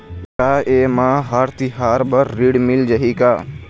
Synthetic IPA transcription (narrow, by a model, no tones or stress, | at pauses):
kaːʔeːmãːɦaɾt̪iɦaːɾbəɾːiːɽmɪld͡ʒəɦiːkaː